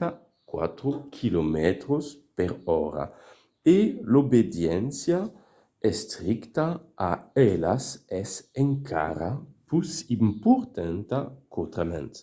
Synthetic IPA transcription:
a | kwa̰t̪ɾokʰilomɛt̪ɾospeɾɔɾa̰ | elobed̪jɛnsja | ɛst̪ɾikt̪aaɛlasɛseŋkʰa̰ɾapusimpuɾt̪ant̪akot̪ɾamɛ̰nt̪

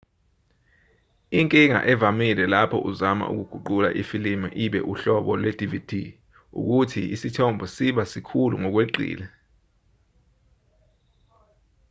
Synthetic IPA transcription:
iŋkʼiŋa̰ʔɛvamilɛlapʰɔ̰ʔuzama̰ʔṵk̬uɡ̥ʱuǃula̰ʔifilima̰ʔiɓɛ̰ʔuɬɔɓɔlwɛdʱivitʰi | ṵk̬utʰiisitʰɔmbʱɔsiɓasikʰuluŋɔk̬weǃḭːlɛ

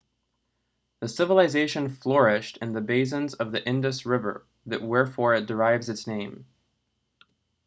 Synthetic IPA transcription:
ðɨsɪvəlˠɨzeɪʃɨ̃nflɔɹɪʃtɨ̃nðɨbeɪs̬ɨ̃nzʌvðiʔɪ̃ndɨsɹɪvə̰˞ | ðɨ̰ʔ̚wɛɹfɔɹɨt̚d̥ə˞aɪvzɨtsnẽɪ̃m

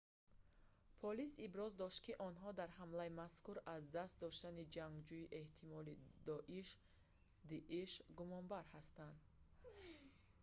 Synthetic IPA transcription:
pʰɔlisibɾɔzd̪ɔʃt̪̚kiʔɔnɦɔd̪aɾɦamlaimaskuɾazd̪ast̪̚d̪ɔʃt̪anid͡ʒaŋɡd͡ʒuiʔe̞ht̪ʰimɔlid̪ɔʔiʃ | d̪iʔiʃɡumɔnbaɾhast̪and̪

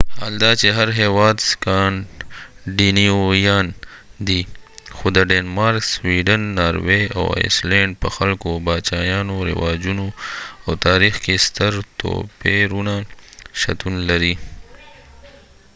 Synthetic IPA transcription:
haːld̪at͡ʃeɦɐɾɦeːwaːd̪skaːn | ɖiniojaːnd̪ixod̪əɖeːnmaːɾkswiːɖənːaːɾwea̰wḛslẽːɳɖ̚pəxɐlkobaːt͡ʃaːjaːnoɾɪ̰waːd͡ʒunoawt̪aːɾixkest̪əɾt̪o̰peɾunaʃɐ̰t̪unlɐɾi

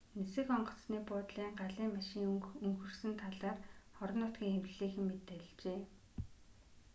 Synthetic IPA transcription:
nesɘ̆xɔɴɢɞ̆t͡sniːpʊːt̪ɮiːŋɢaɮiːŋmaʃɪ̆ŋɵŋxɵ̆rsɘ̆nt̪ʰaɮaːrχɔɾɞ̆nːʊt̪̚ɡʲiːŋxewt͡ɕ̆ɮiːxɘ̆mːet̪ːĕɮt͡ɕeː

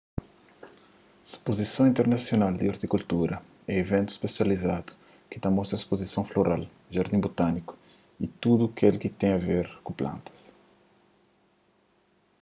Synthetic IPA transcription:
spozisɐ̃w̃ĩnt̪eɾnasjonald̪iaɾt̪ikult̪uɾɐ | ɛevẽnt̪ʊ̥spesjalizad̪u̥ | kɪ̥t̪ãmɔst̪ɾɐspozisɐ̃w̃floɾal | ʒaɾd̪ĩbot̪anikʊ̥ | it̪ud̪ukelkɪt̪ẽj̃aveɾkũplã̰nt̪ɐ̥s

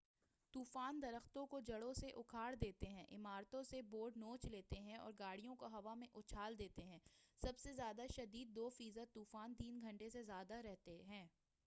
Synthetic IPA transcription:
t̪uːfaːnd̪ɐɾəxt̪õkod͡ʒɐɽõseʔʊkʰaːɽd̪eːt̪eɦɛ̃ːʔɪmaːɾt̪õseboːɾɖnoːt͡ʃleːt̪eɦɛ̃ɔ̰ːɾɡaːɽ̤ijõkoɦɐʋamẽʔʊt͡ʃʰaːld̪eːt̪eɦɛ̃ːsɐbsezjaːd̪aʃɐd̪iːd̪̚ːoːfiːzəd̪̚t̪uːfaːnt̪iːnɡʱɐ̃ɳʈesezjaːd̪aɾɛɦt̪eɦɛ̃ː

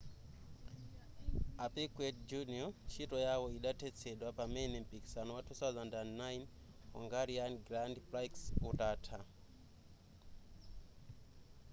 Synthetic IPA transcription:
apikwɛdd͡ʒuniɔt͡ʃʰitɔjawɔiɗatʰɛt͡sʰɛɗwapamɛnɛm̩piki̥sanɔwatʰuθawzandandnajn | ɔ̰ŋɡaɾianɡɾandpɾajksɔtaːtʰa

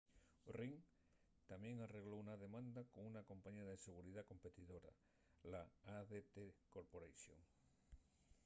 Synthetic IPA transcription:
oriŋ | t̪amjẽŋareɣlowunaðemãnd̪akoŋunakõmpaɲaðeseɣ̞uɾiðako̞mpet̪iðoɾa̰ | laaðet̪ekoɾpoɾejʃjo̰ŋ

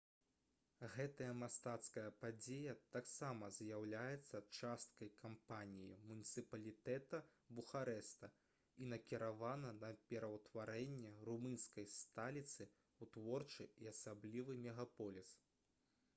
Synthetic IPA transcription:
ɣɛt̪ɐjɐmast̪at̪skɐjɐpad͡zʲejɐt̪aksamɐzʲjawlʲajɛt̪sːɐt͡ʂast̪̚kɐjkʰampanʲijimunʲit̪sɨpɐlʲit̪ɛt̪ɐ | buxaɾɛst̪ɐ | inɐkʲiɾavanɐnɐpʲɛɾɐwt̪vaɾɛnʲːɛrumɨnskɐjst̪alʲit̪sɨ | ut̪vɔrt͡ʂɨiasablʲivɨmʲɛɣapɔlʲis

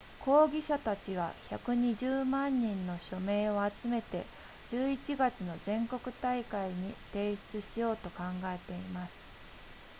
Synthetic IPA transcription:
ko̞ːɡʲiɕat̪at͡ɕiβ̞a̰çakɯ̟ɲ̟iʑɨːmãɲ̟ːĩnːo̞ɕo̞me̞ːo̞at͡sɨme̞t̪e̞̰ | d͡ʑɨːit͡ɕiɡat͡sɨno̞zẽ̞ŋko̞kɯ̟t̪aikaiɲ̟it̪e̞ːɕt͡sɨɕijo̞ːt̪o̞kãŋɡae̞t̪e̞imasɨ̥

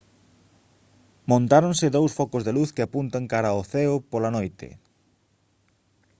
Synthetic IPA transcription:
mõnt̪aɾõnsɪðowsfɔkʊzðeluθkɪapunt̪aŋkaɾaoθɛʊpolɐnojt̪ɪ̰

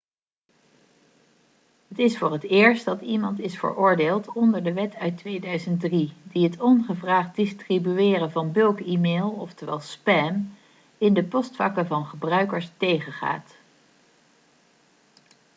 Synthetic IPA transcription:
ɦətɪsfʊːrətɪːɹstdɑtimɑntɪsfə̰ɹʔʊːɹdeːlˠtɔndəɹdəʋɛtœɥtʋejdœɥzəntdridiɦətɔnχəvraːχt̚dɪstribyɪːrəvɑnbɵlˠkimeːlˠɔftəʋɛlˠspɛm | ɪndəpɔstfɑkəvɑnχəbrœɥkəɹstejχəχa̰ːt

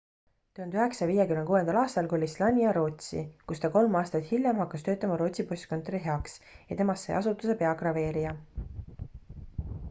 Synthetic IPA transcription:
t̪uhɑnd̪yɦe̞ksɑviːjekymnkuːe̞nd̪ɑlɑːst̪ɑlkolʲislɑnʲiɑɾo̞ːt̪ʲsḭkust̪ɑko̞lmɑːst̪ɑt̪hilʲjɑmhɑkːɑst̪ø̞ːt̪ːˑɑmɑɾo̞ːt̪siposʲt̪ko̞nt̪ˑoɾiɦe̞ɑksjɑ̰t̪e̞mɑsːḛɑsut̪ːˑuse̞pe̞ɑɡrɑve̞ːɾijɑ

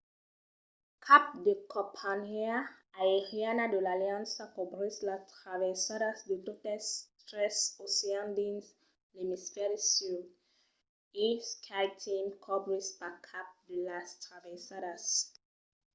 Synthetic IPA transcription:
kʰap̚dekʰɔpʰanɛaaeɾianadulaliãnsakɔbɾislatɾavɛsaɾasdidotɛstɾɛsosiãndins | limisfɛɾisud | ifskʰajtʰĩmkʰɔbɹispakʰap̚dilastɾavɛsaɾas

